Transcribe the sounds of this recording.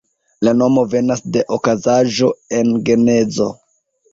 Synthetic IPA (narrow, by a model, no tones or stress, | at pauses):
lano̞mo̞ve̞nasde̞ʔokazaʒo̞e̞nɡe̞ne̞zo̞̰